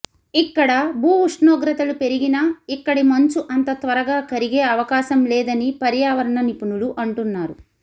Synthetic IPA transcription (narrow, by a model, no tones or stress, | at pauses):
ikːɐɽɐbʱuːuʂɳoːɡɾɐt̪ɐlupe̞ɾiɡinɐikːɐɽimɐɲt͡ʃuʔɐnt̪ɐt̪ʋɐɾɐɡaːkɐɾiɡeːɐʋɐkaːʃɐmlɛːd̪ɐnipɐɾjaːʋɐɾɐɳɐnipunuluʔɐɳʈunːaːɾu